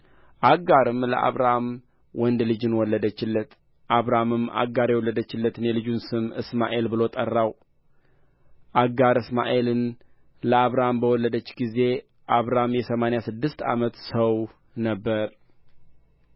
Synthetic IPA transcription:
ʔaɡaɾɨmlə̰ʔa̰βɾam | wɔnd̪lɨd͡ʒɨnwɔlːəd̪ət͡ʃːɪlːət̪ | ʔaβɾamɨma̰ɡaɾjɛwɔlːəd̪ət͡ʃːɪlːət̪ɨnjɛlɨd͡ʒunsɨmɨ̰sma̰ʔe̞lbɨlo̞t̪ʼərːaw | ʔaɡaɾɨsma̰ʔe̞lɨn | ləaβɾambəwɔlːəd̪ət͡ʃːɡize̞ | ʔaβɾamjɛsəmanejasɨd̪ːɨst̪a̰mət̪səw | nəbːəɾ

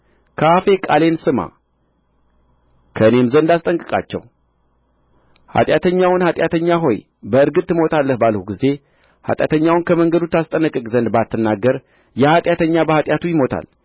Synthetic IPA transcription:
kʰafe̞kʼale̞nsɨma̰ | kʰəɨnemzənd̪ast̪ʼəŋkʼɨkʼa̰t͡ʃːɛ̰w | ha̰t̪ʼjat̪ʰəɲːawʊnhat̪ʼjat̪ʰəɲːaɦo̞j | bəɨɾɡɨt̪ʼtːɨmo̞t̪ʰalːəhbalhuɡize̞ | ha̰t̪ʼja̰t̪ʰəɲːawʊnkʰəməŋɡəd̪ut̪ːast̪ʼənəkʼɨkʼzənd̪bat̪ʰːɨnːaɡːəɾ | jɛhat̪ʼjat̪ʰəɲːabəhat̪ʼjat̪ʰujɪmo̞t̪ʰa̰l

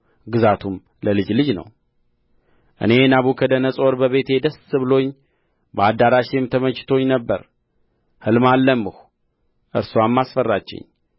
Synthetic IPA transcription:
ɡɨzat̪ʰum | ləlɨd͡ʒlɨd͡ʒnə̰w | ʔɨ̰ne̞naβukʰəd̪ənəsʼo̞ɾbəβe̞t̪jɛd̪əsːɨβɨlo̞ɲː | bəad̪aɾaʃemt̪ʰəmət͡ʃːɪ̥t̪ʰo̞ɲnəbːə̰ɾ | hɨlmalːəmːɨhu̥ | ʔɨɾsamːasfərːat͡ʃːɪ̰ɲː

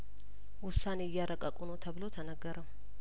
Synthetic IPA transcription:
wʊsːaneɪjːaɾəkʼəkʼunot̪ʰəβɨlo̞t̪ʰənəɡːəɾəm

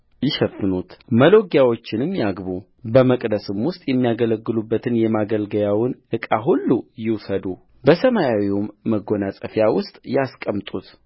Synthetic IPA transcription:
jɪʃəfːɨnut̪məlo̞ɡjawo̞t͡ʃːɪnɨmjaɡbu | bəməkʼd̪əsɨmwʊst̪ʼjɛmːijaɡələɡːɨlubːət̪ʰɨnjɛmaɡəlɡəjawɨnʔɨkʼaɦulːujɪwsəd̪u | bəsəmajawiumːəɡo̞nasʼəfjawʊst̪ʼjaskʼəmt̪ʼut̪

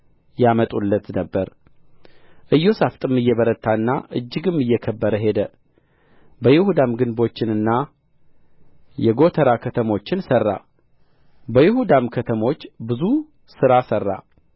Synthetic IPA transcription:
jamət̪ʼulːət̪nəbːəɾ | ʔɨjːo̞saft̪ʼɨmːɨjːɛβəɾət̪ʰːaɨnːa̰ʔɨd͡ʒːɪɡɨmːɨjːɛkʰəbːəɾəɦe̞d̪ə | bəjɪhud̪amɡɨnbo̞t͡ʃːɪnɨnːa | jɛɡo̞t̪ʰəɾakʰət̪ʰəmo̞t͡ʃːɪnsərːa̰ | bəjɪhud̪amkʰət̪ʰəmo̞t͡ʃːbɨzu | sɨɾasərːa̰

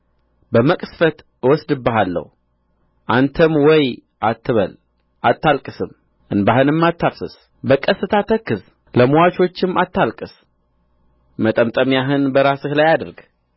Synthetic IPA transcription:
bəməkʼɨsfət̪ | wɔsd̪ɨbːəɦalːə̰h | ʔant̪ʰəmwɔj | ʔat̪ʰːɨβə̰l | ʔat̪ːalkʼɨsɨm | ʔɨnbaɦɨnɨmːat̪ːafsɨs | bəkʼəsɨt̪ʰat̪ʰəkːɨz | ləmuwat͡ʃo̞t͡ʃːɪmːat̪ːalkʼɨs | mət̪ʼəmt̪ʼəmjaɦɨnbəɾasɨhlajad̪əɾɡ

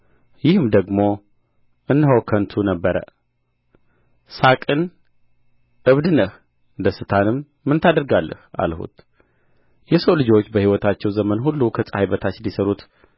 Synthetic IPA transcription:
jɪhɨmd̪əɡmo̞ | ʔɨnːɦəwkʰənt̪ʰunəbːəɾə̰ | sakʼɨn | ʔɨβd̪ɨnəh | ɨnd̪əsɨt̪ʰanɨmː | ɨnt̪ʰad̪əɾɡalːʔə̰hʔa̰lhṵt̪ | jɛsəwlɨd͡ʒo̞t͡ʃːbəhiwɔt̪ʰat͡ʃːɛwzəmənɦulːukʰəsʼəhajbət̪ʰat͡ʃːnd̪isəɾut̪

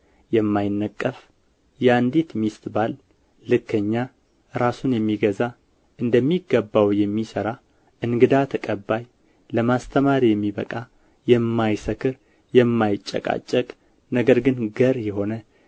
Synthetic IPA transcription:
jɛmːajɪnːəkʼːəf | jɛand̪it̪mist̪balː | ɨkʰːəɲːa | ɾasunjɛmːiɡəza | ʔɨnd̪əmːiɡːəbːawjɛmːisəɾa | ʔɨŋɡɨd̪at̪ʰəkʼəbːaj | ləmast̪ʰəmaɾijɛmːiβəkʼa | jɛmːajsəkɨɾ | jɛmːajɪt͡ʃʼːɛ̰kʼa̰t͡ʃʼːəkʼ | nəɡəɾɡɨnɡəɾjɛɦo̞nə

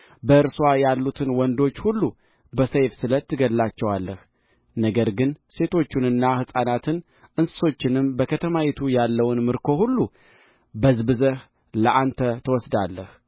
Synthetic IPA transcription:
bəɨɾswajalːut̪ʰɨnwɔnd̪o̞t͡ʃːhulːu | bəsəjfsɨlət̪ʰːɨɡəlːat͡ʃːɛwalːəh | nəɡəɾɡɨnse̞t̪ʰo̞t͡ʃːunɨnːahɨsʼanat̪ʰɨn | ʔɨnsɨ̥so̞t͡ʃːɪnɨmbəkʰət̪ʰəmajɛt̪ʰujalːəwnmɨɾkʰo̞hulːu | bəzbɨzəh | ləʔant̪ʰət̪ʰəwɔsd̪alːəh

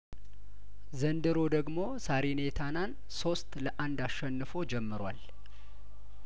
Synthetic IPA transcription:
zənd̪ɨɾo̞d̪əɡmo̞saɾinet̪ʰanan | so̞st̪ləʔand̪aʃːɛnːɨfo̞d͡ʒɛmːɨɾwa̰l

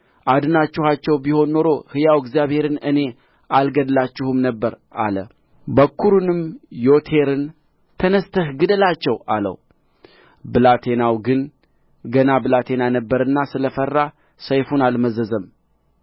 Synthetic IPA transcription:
ʔad̪ɨnat͡ʃːuhat͡ʃːɛwbiho̞nːo̞ɾo̞hɨjawɪɡzijaβhe̞ɾɨnɨne̞ | ʔalɡəd̪lat͡ʃːɪhɨmnəbːəɾ | ʔa̰lə̰ | bəkʰːuɾunɨmjo̞t̪ʰe̞ɾɨn | t̪ʰənəst̪ʰəhɡɨd̪əlat͡ʃːɛwa̰lə̰w | bɨlat̪ʰe̞nawɡɨn | ɡənabɨlat̪ʰe̞nanəbːəɾɨnːasɨləfərːa | səjfunalməzəzəm

